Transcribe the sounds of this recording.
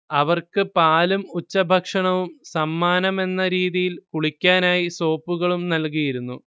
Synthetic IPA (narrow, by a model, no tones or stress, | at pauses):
ɐʋɐrkɨpaːlumut͡ɕːɐbʱɐkʂɐɳɐʋumsɐmːaːnɐme̞nːɐɾiːðijilkuɭikʲːaːnaːjiso̞ːpːuɣɐɭumnɐlk̬ijiɾunːu